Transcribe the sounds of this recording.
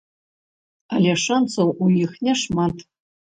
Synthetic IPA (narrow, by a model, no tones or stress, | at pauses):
alʲɛʂansɐwʔujixnʲɛʂmat̪